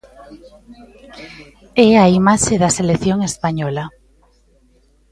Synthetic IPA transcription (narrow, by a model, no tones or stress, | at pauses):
ɛaimaʃeðaseleθjoŋespaɲɔla